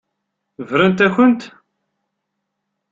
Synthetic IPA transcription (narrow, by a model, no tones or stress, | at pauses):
vɾənt̪æçənt̪